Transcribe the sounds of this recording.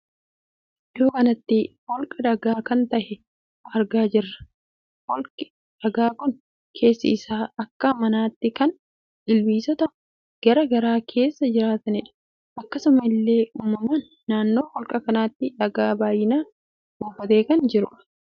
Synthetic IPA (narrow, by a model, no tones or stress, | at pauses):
joːkɐnɐt̪ːɪhɔlkʼɐᶑ̪ɐɡaːkɐnt̪ɐʔɛ | ɐɾɡaːd͡ʒɪrːɐ̥ | hɔlkʼɪ | ᶑ̥ɐɡaːkʊn | kʰe̞ːsːɪ̰ɪsaːɐkːɐmɐnaːt̪ːɪkɐn | ɪlwiːsɔt̪ɐʊ | ɡ̥ɐɾɐɡɐɾaːkʰe̞ːsːɐd͡ʒɪɾaːt̪ɐnɪᶑɐ̥ | ʔɐkːɐsʊmɐɪlːe̞ːuːmːɐmaːnːaːnːo̞ːhɔlkʼɐkɐnaːt̪ːɪᶑɐɡaːbaːjɪnaː | ɡuːfɐt̪e̞ːkɐnd͡ʒɪɾʊᶑɐ̥